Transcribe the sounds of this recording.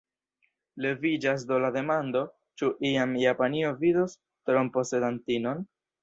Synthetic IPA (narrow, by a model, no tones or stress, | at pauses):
le̞vid͡ʒas̬dolade̞mando̞ | t͡ʃuʔiamjapanio̞vidos | tɾompo̞se̞dantino̞n